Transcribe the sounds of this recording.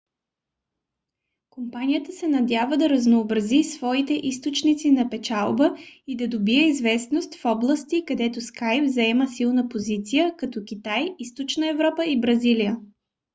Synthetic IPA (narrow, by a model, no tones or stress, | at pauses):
kompanijət̪əsɛnɐd̪ʲjavəd̪ɐɾɐznoːbɾɐzisv̥ɔit̪ɛʔist̪ot͡ʃnit̪sinɐpɛt͡ʃalˠbəid̪ɐd̪obiɛizvɛsnost̪fɔblˠəst̪ikɐd̪ɛt̪oskajpvzɐɛməsilˠnəpozit̪sijəkɐt̪ɔkʲit̪ajist̪ot͡ʃnəɛvɾɔpəibɾɐzilijə